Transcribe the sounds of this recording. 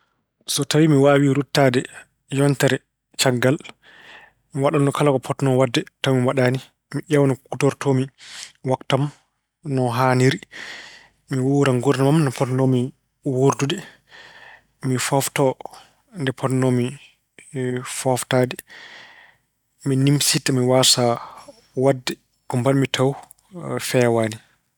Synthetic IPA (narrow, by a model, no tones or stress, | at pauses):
sɔtawimiwaːwiɾutːadɛ | jɔntaɾɛ | t͡ʃaɡːal | miwaɗandɔkʰalakɔpʰɔtnɔwadːɛtawmiwaɗaːni | miʔawnɔkutɔɾtʰomiwaktam | nɔɦaniɾi | miwuɾaŋɡuɾnamamnɔpɔtnɔmi | woɾdudɛ | mifɔftɔ | ndɛpʰɔtnɔmi | fɔftaːdɛ | minimsitamiwasa | wadːɛ | kɔmbanmitʰaw | fɛwani